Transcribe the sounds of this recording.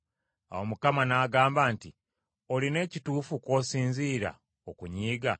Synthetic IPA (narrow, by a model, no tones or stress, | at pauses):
a̰wo̞mukamanaːɡaːmbaːnti | o̞line̞ːcituːfukwo̞ːsiːnziːɾa̰ | okuɲiːɡa